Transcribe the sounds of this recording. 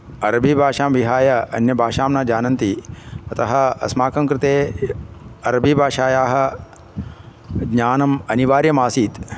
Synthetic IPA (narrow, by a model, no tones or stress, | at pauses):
ɐɾɐbʱibʱaːʃaːmʋiɦaːjɐɐ̰njɐbʱaːʃaːmnaːd͡ʒaːnɐnt̪iɐt̪ɐɦɐ̆ɐ̰smaːkɐŋkɾɪt̪eː | ɐɾɐbʱibʱaːʃaːjaːɦɐ̆ | ɡɲaːnɐmɐniʋaːɾjɐmaːsiːt̪